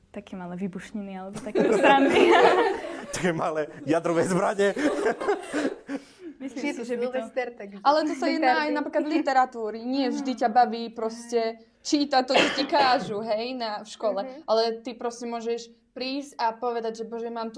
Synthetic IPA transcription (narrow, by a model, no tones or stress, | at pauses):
t̪akʰɛmalɛʋibuʃɲinialɛbɔt̪akɛɾani | t̪akɛːmalɛjad̪ɾɔʋɛːzbɾaɲɛ | ɛst̪ɛɾt̪aɡalɛt̪ɔsajɛaajnapɾiːklad̪lit̪ɛɾat̪uːɾiɲɪɛvʒd̪icabaʋiːpɾɔscɛ | t͡ʃiːt̪at̪ɔt͡ʃɔtikaːʒuɦɛjnafʃkɔlɛʔalɛt̪ipɾɔscɛmʊɔʒɛʃ | pɾiːscapɔʋɛd̪aɟʒɛbɔʒɛmaːmt̪u